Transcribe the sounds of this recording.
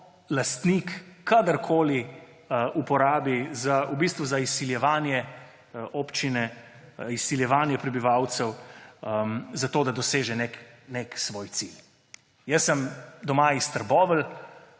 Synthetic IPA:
last̪nikkːad̪əɾkʰoːli | ʔupɔɾaːbizaubist̪ʋuzaisːiljɛʋaːnjɛ | ʔoːpt͡ʃinɛ | isːiljɛʋaːnjɛpɾɛbiʋawt̪sɛw | mzat̪oːd̪ad̪ɔseːʒɛnekneksʋoːjt̪sil | jəsəmd̪ɔmaist̪əɾbɔːʋəl

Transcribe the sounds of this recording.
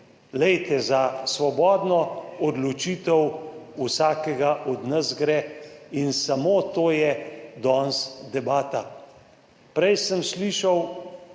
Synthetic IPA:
lɛjt̪ɛzasʋɔbɔːd̪nɔɔd̪lɔt͡ʃiːt̪ɛwusaːkɛɡaʔɔd̪nəsɡɾɛinsamoːt̪oːjɛd̪ɔnsd̪ɛbaːt̪a | pɾɛjsəmsliːʃaw

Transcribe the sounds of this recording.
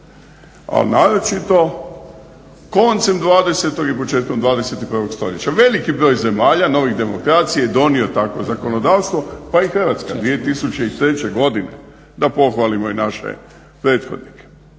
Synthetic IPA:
a̰lnaːɾot͡ʃit̪o̞ | ko̞nt̪semd̪ʋaːd̪e̞se̞t̪o̞ɡipot͡ʃe̞ːt̪̚ko̞md̪ʋaːd̪ese̞t̪ipr̩ʋo̞ɡst̪o̞̰ʎet͡ɕaʋe̞likibɾo̞ːjze̞maːʎano̞ʋiɣd̪e̞mo̞kɾaːt̪sijejed̪o̞nio̞t̪akʋo̞zako̞nod̪aːʋst̪ʋo̞paixr̩ʋat̪skad̪ʋie̞t̪isut͡ɕe̞it̪ɾe̞t͡ɕe̞ɡo̞d̪inḛ | d̪apo̞xʋalimo̞inaʃḛ | pɾeːt̪xod̪nike̥

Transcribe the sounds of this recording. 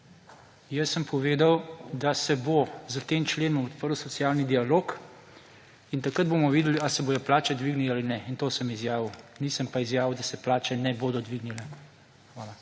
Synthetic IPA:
jəsːəmpʰɔʋeːd̪awd̪asɛbozət̪eːmt͡ʃleːnɔmɔt̪̚pəɾwsɔt̪sijaːlnid̪ialoːk | int̪akɾəd̪̚bomɔʋid̪ɛliasɛboːjɔplaːt͡ʃɛd̪ʋiːɡnilaːlinɛint̪oːsəmizjaːʋinisəmpaizjaːʋiwd̪asɛplaːt͡ʃɛnɛboːd̪ɔd̪ʋiɡnilɛ | xʋaːla

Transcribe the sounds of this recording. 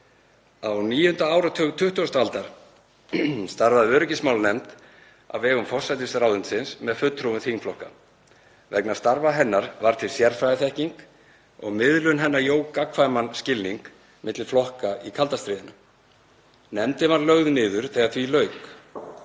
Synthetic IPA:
awniːjʏhʏnt̪aaːwɾat̪ʰʏt̪ʰʏht̪uast̪alt̪aɾ̥ | st̪aɾvaðɪvœːɾʏcɪsmaːwlnɛmt̪ | a̰vɛːɣʏmfɔr̥sajt̪ɪsɾaːwðʏnt̪sɪnsmɛðfʏt̪ʰːɾuvʏθʰhinflɔhka | vɛknḁst̪aɾvaɦɛnːaɾvaɾ̥t̪ʰɪlsjɛɾfɾajθɛhciŋk | ɔ̰ɣmɪðlʏnɦɛnːajoːwkakʰvaːjmanscɪlniŋk | mʔɪt̪lɪ̥flɔhkaikʰalt̪ast̪ɾɪːðɪna | nɛmt̪ɪvaɾlœɣðnɪːðʏɾ̥θɛːɣaθvilœːɥk

